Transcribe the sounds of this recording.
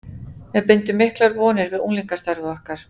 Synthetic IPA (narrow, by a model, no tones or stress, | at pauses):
mɛðpɪnt̪ʏmːɪhklaɾvɔːnɪɾvɪðṵnliŋkast̪aɾvʏahkaɾ̥